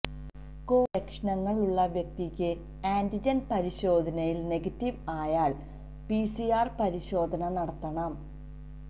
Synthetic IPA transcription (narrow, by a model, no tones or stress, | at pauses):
ko̞ːekʂɳɐŋːɐɭuɭːɐʋjɐk̚t̪ikʲːɨ | aːndid͡ʑɐnpɐɾiɕo̞ːd̪ʱɐnɐjilne̞ɡɐtːiʋaːjaːɭ | pisijaːrpɐɾiɕo̞ːd̪ʱɐnɐnɐɽɐt̪ːɐɳɐm